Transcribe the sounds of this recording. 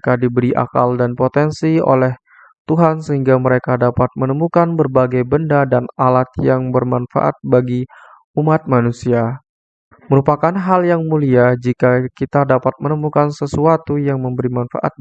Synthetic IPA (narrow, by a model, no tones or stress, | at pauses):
kadibəɾiʔa̰kaldanpot̪ɛnsio̰lɛh | t̪uɦansəɦiŋɡaməɾekadapat̪̚mənəmukanbərbaɡajbəndadanalat̪̚jaŋbərmanfa̰ʔa̰t̪̚baɡi | umat̪̚manusia | məɾupakanɦaljaŋmuliad͡ʒikakit̪adapat̪̚mənəmukansəsuat̪ujaŋməmbəɾimanfa̰ʔa̰t̪̚